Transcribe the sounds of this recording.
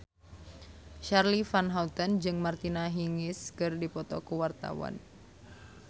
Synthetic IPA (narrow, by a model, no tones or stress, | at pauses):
ʃarlifanɦaut̪ɔnd͡ʒɨŋmart̪inaɦiŋɪskɨrdipɔt̪ɔ̰kuwart̪a̰wa̰n